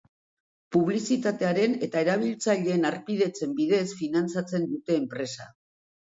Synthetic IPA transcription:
puβ̞lisit̪at̪e̞aɾe̞ne̞t̪ae̞ɾaβ̞ilt͡saʎe̞ːnaɾpiðe̞t͡se̞mbiðe̞sfinant͡sat͡se̞nd̪ut̪e̞ːmpɾe̞sa̰

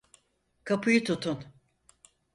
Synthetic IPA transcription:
kʰapʰɯjɯt̪ʰut̪ʰun

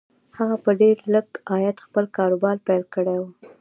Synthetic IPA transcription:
haɣapəɖeɾləɡɑjat̪xpəlkɑɾobɑɾpajlkəɽewu

